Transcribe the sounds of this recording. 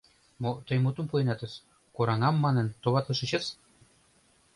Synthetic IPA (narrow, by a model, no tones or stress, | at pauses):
mot̪ɤ̆jmut̪ŭmpuenɑt̪ə̆s | koɾɑŋɑmːɑnə̆nt̪oβɑt̪ɤ̆ʃɤ̆t͡ɕɤ̆s